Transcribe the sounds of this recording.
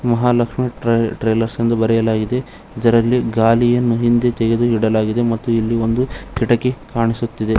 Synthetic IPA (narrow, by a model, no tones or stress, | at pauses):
mɐɦaːlɐkʂmiʈɾɐʈɾɐjlɐɾsind̪ɐbɐɾɛjɐlaːɡid̪e̞ | id̪ɐɾɐlːiɡaːlijɐnːuɦind̪e̞t̪ɛɡe̞d̪uɦiɽɐlaːɡid̪e̞mɐt̪ːuilːio̞nd̪ukiʈɐkekaːɳisut̪ːid̪e